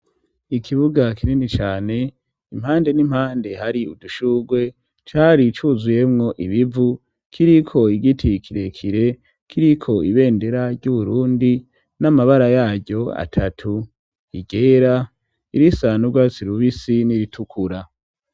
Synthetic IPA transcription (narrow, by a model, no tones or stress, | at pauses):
ikʰiβuɡakininit͡ʃaːne̞ | im̥haːnde̞nim̥haːnde̞haɾiṵduʃuːɡwe̞ | t͡ʃaːɾit͡ʃuzuje̞mŋo̞ʔiβivu | kʰiɾikʰo̞iɡitʰikʰiɾe̞kʰiɾe̞ | kʰiɾikʰo̞iβe̞ːnde̞ɾaɾɟuβuɾuːndi | namaβaɾajaːɟo̞a̰tʰatʰu | iɟe̞ːɾa | iɾisaːnuɡwaːt͡siɾuβisiniɾitʰukʰuɾa